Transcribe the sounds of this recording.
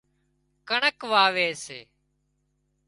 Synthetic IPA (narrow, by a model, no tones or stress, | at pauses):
kəɳəkʋaːʋeːsḛː